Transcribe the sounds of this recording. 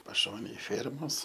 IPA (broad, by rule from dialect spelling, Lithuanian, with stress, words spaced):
pɐˈʃoːnʲeːj ˈfʲeːrmoːs